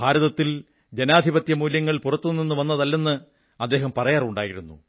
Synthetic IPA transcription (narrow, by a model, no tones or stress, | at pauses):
bʱaːɾɐðɐt̪ːil | d͡ʑenaːd̪ʱibɐt̪jɐmuːljɐŋːɐɭpurɐt̪ːunːinːɨʋɐnːɐðɐlːe̞nːɨ | ɐd̪ːe̞ːɦɐmpɐrɐjaːruɳɖaːjiɾunːṵ